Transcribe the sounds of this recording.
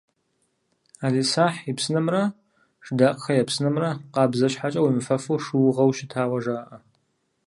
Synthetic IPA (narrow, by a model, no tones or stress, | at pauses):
aːziːsaːħipsɨnɐmrɐ | ʂdaːqʼxɐjɛpsɨnɐmrɐqɑːbzɐɕħat͡ʃʼɐwimɨfɐfuʂɨwʁɐwʃɪtʰaːwɐʒaːʔɐ